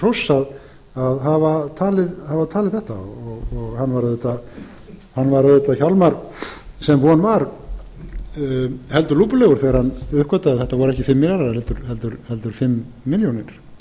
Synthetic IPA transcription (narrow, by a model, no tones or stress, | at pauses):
r̥ɔwsːað | aðɦavat̪ʰaːlɪðhavat̪ʰaːlɪðθɛht̪a̰ɔɣɔɣhanːvaɾaðɛt̪ːa | hanːvaɾaðɛt̪ːaçalmaɾsɛmvɔanvaɾ | hɛlt̪ʏɾluːpʏlɛɣʏɾ̥θɛɣaɾ̥hanːʏhkvœt̪aðθɛht̪avɔɾɛhcɪfɪmːɪlaɾaɾhɛlt̪ʏɾ̥hɛlt̪ʏɾhɛlt̪ʏɾ̥fɪmː | ɪljonɪɾ̥